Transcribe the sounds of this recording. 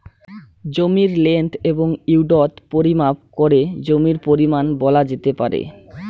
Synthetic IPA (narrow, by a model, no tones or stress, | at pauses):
d͡ʑomiɾleɳʈeboŋiuɖɔt̪poɾimap̚koɾed͡ʑomiɾpoɾimanbɔlad͡ʑet̪epaɾḛ